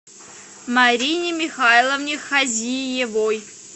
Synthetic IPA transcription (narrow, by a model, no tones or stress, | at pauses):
mɐɾʲinʲɪmʲɪxailˠəvnʲɪxɐzʲijɪvoj